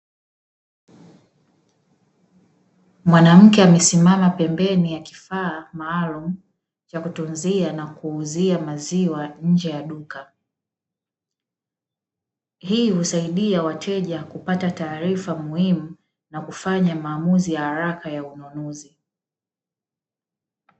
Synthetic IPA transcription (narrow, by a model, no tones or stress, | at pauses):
mwanam̩kɛamɛsimamapɛmbɛnijaki̥faːmaːlum̩ | t͡ʃakutunzianakuːziamaziwaɲ̩d͡ʒɛjaɗuka | hiːhusaiɗiawatʰɛʄakupatataːɾifamuhimu | nakufaɲamaːmuzijahaɾakajaunɔnɔzi